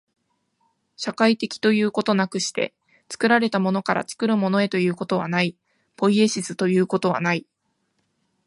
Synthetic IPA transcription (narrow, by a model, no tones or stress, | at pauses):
ɕakait̪e̞kʲi̥t̪o̞jɯ̟ːko̞t̪o̞nakɯ̟ɕi̥t̪e̞̰ | t͡sɨ̥kɯ̟ɾaɾe̞t̪amo̞no̞kaɾa̰t͡sɨ̥kɯ̟ɾɯ̟mo̞no̞e̞t̪o̞jɯ̟ːko̞t̪o̞β̞a̰nai | po̞ie̞ɕizɨt̪o̞jɯ̟ːko̞t̪o̞β̞a̰nai